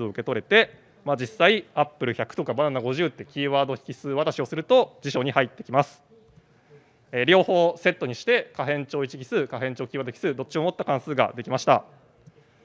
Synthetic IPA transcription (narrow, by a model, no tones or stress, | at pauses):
ɨoɯ̟ke̞t̪o̞ɾe̞t̪e̞ | mad͡ʑisːaiapːɯ̟ɾɯ̟çakɯ̟̥t̪o̞kabananaɡo̞ʑɨːt̪ːe̞kʲiːβaːd̪o̞çi̥kʲisɨːβat̪aɕio̞sɨɾɯ̟t̪o̞d͡ʑiɕo̞ːɲ̟ihait̪ːe̞kʲimasɨ̥ | eɾʲo̞ːho̞ːse̞t̪ːo̞ɲ̟iɕi̥t̪e̞kaɦẽ̞ɲ̟t͡ɕo̞ːit͡ɕi̥kʲi̥sɨːkaɦẽ̞ɲ̟t͡ɕo̞ːkʲiːβad̪oçkʲisɨːd̪o̞t͡ɕio̞mo̞t̪ːakãɰ̃sɨːɡa̰d̪e̞kʲimaɕi̥t̪a̰